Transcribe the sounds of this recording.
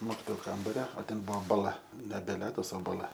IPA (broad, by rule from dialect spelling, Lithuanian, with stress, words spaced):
ˈmoːkʲɪtoːjʊ ˈkɐmbɐrʲoː oː ˈtʲɛn ˈbʊʋoː bɐˈlˠɐ nʲɛbʲɛ ˈlʲæːdɐs oː bɐˈlˠɐ